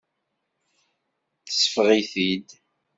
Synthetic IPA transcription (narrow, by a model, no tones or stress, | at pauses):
θə̥sə̥fʁiθid̪